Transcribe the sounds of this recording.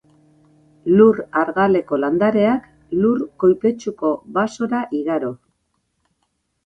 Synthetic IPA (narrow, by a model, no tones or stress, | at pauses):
luraɾɣale̞ko̞land̪aɾe̞ak | lurko̞jpe̞t͡ʃuko̞βaso̞ɾaʔiɣaɾo̞